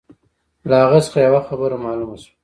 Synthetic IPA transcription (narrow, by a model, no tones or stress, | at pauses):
laaɣasə̥xajawaxabəɾamɑlumasḁ